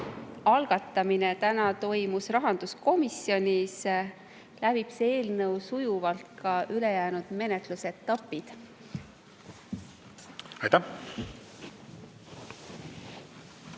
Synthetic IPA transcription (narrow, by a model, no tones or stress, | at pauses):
ɑlɡ̥ɑt̪ːˑɑminet̪ænɑt̪o̞jmusrɑɦɑnd̪̥usko̞misjo̞nʲis | lævipse̞ːlnɤwsujuvɑlt̪̚kɑʔyle̞jæːnud̪̥me̞net̪luse̞t̪ːˑɑpːˑid̪̥ | ɑjt̪æh